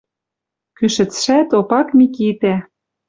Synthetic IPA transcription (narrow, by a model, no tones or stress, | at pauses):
kyʃɘ̆t͡sʃæt̪opɑkmikit̪æ